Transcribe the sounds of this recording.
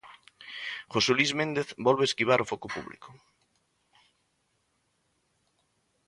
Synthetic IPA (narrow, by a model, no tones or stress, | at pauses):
χoselizmẽnd̪eθbɔlβeːskiβ̞aɾʔofɔkopṵβlḭko̥